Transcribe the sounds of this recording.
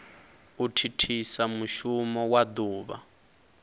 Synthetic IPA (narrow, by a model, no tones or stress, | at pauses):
utʰitʰisamuʃumɔwad̪uːβa̰